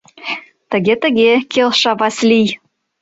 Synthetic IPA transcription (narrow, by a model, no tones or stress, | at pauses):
t̪ə̆ɣet̪ə̆ɣʲekelʃɑβɑslʲij